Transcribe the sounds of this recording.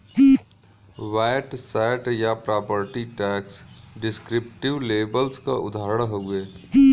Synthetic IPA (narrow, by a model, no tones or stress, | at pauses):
ʋaːɪʈsɛɪʈjapɾaːpəɾʈiʈɛːksɖɪskɾɪp̚ʈɪʋleːbəlska̰ʔʊ̰d̪ʱaːɾəɽɦoeː